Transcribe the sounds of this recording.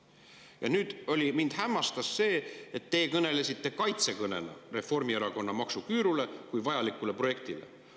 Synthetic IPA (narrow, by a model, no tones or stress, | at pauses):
jɑnyːd̪̥o̞lʲimind̪̥ɦæmːɑst̪ɑsːe̞ːet̪ːe̞ːkɤne̞le̞sʲit̪ːe̞kɑjt̪se̞kɤne̞̰nɑ̰re̞fo̞rmieɾɑko̞nːɑmɑksukyːɾule̞kujvɑjɑlikːˑule̞pro̞je̞k̚t̪ile̞̰